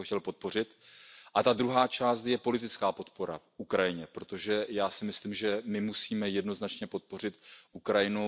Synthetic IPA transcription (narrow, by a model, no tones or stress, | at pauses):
oxcɛlpo̞t̪̚po̞r̝ɪt̪ʔat̪ad̪ɾuɦaːt͡ʃaːst̪jɛpo̞lɪt̪ɪt͡skaːpo̞t̪po̞ɾa̰ʔukɾajɪɲɛpɾo̞t̪o̞ʒɛjaːsɪmɪsliːmʒɛmɪmusiːmɛjɛdno̞znat͡ʃɲɛpo̞t̪̚po̞r̝ɪt̪ʔukɾajɪnu